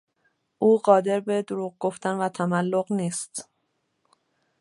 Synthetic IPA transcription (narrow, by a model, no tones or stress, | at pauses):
ʔuːɢɒːd̪e̞ɾbe̞d̪oɾuːɣ̚ɡo̞ft̪ænvæt̪ʰæmælːo̞ɣniːst̪